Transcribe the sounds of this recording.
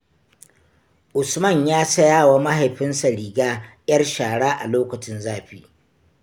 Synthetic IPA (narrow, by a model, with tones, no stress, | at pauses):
ʔʊ˨smɐ˦˨ɲjaː˦sɐ˦jaː˦wa˦ma˦ɦa˨jɸɪ˦nsa˨ɽiː˨ɡaː˦j̰ʲɐ˦rʃaː˨ɽaː˦ʔa˨loː˦kɐ˨t͡ʃɪ˦nzaː˦ɸiː˦˨